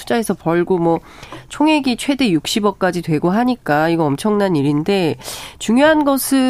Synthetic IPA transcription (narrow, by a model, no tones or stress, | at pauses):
ud͡ʑae̞sʰʌpʌɭɡomwʌ | t͡ɕʰoŋɦe̞ɡit͡ɕʰwe̞de̞juk̚ɕ͈ibʌk̚k͈ad͡ʑitwe̞ɡoɦaɲik͈aiɡʌʌmt͡ɕʰʌŋnaɲiɾinde̞t͡ɕuŋjoɦanɡʌsʰɯ